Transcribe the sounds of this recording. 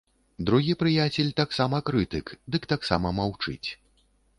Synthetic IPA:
d̪ɾuɣʲipɾɨjat͡sʲɛlʲt̪aksamɐkɾɨt̪ɨkd̪ɨkt̪aksa̰mɐmawt͡ʂɨ̰t͡sʲ

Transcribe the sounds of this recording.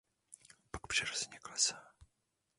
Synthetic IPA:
pakpr̥ɛɾozɲɛklɛsa

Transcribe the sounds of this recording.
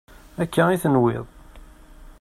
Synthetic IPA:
ækːæiθənwɪ̰ðˤ

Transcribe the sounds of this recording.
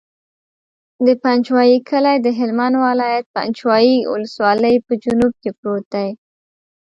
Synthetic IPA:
d̪əpant͡ʃwɑjikʰəlajd̪əɦɪlmanwalɑjat̪̚pa̰nt͡ʃwɑjiwʊ̰ləswɑləjpəd͡ʒunub̚kepɾot̪̚d̪aj

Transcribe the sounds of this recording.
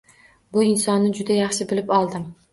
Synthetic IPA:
bʊɪnsɒnːɪd͡ʒʊd̪ajɑχʃɪbɪlɪpɒlˠd̪ɪm

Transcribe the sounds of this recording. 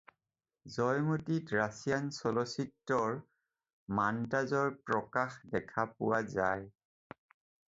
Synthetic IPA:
zɔjmutitɹasijansɔlɔsitːɔɹ | mantazɔɹpɹɔkaxdɛkʰapʊwazaj

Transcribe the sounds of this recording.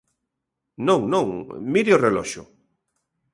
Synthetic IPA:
nõŋnõŋmiɾeorelɔʃʊ̰

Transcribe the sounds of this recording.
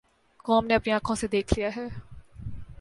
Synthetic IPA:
kɔːmneɐpniaːkʰõːsed̪eːkʰlijaːɦɛː

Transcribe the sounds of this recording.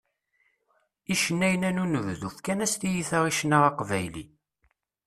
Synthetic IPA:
iʃənːæjnænunəððuθkænæst̪ijiθəʁiʃnaʁɑqvæjlḭ

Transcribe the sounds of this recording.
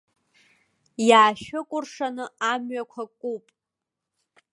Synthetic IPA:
jaːʃʊkʷʼʊrʂanɨamɥakʷʰakʷʼupʼ

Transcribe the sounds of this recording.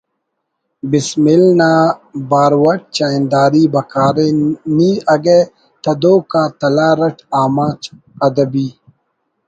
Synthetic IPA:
bismilnaːbaːɾwɐʈ̚t͡ʃaːnd̪aːɾiːbɐkaːɾeniːɐɡe | t̪ɐd̪oːkaːt̪ɐlaːɾɐʈaːmaːt͡ʃ | ɐd̪ɐbiː

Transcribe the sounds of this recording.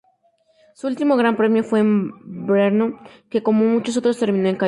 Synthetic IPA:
suult̪imo̞ɣ̞ɾampɾe̞mjo̞fwe̞ːmbɾeɾnoke̞ko̞mo̞mut͡ʃos̬ot̪ɾo̞st̪e̞ɾmĩno̞eŋka

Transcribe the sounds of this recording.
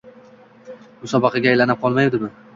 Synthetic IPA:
bʊsɒbɑqʰɑɡʲaːjlanɪp̚qʰɒlˠmajd̪ɪbʊ

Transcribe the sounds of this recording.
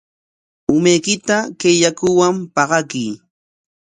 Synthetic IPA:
ʊmajkɪt̪akeʎakʊwampɑɢɑkiː

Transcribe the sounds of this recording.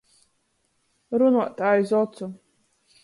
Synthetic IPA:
ɾunuɔt̪ʰaːjzɔt̪t͡sʰu

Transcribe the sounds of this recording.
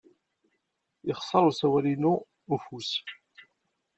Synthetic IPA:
ɪχsˤːɑɾˤusæwælinu | ufus

